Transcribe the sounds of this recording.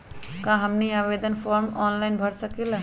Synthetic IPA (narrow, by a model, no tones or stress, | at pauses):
kãɦəmniaːbed̪ənpʰɔɾmɔːnlajnbʱəɾsəkila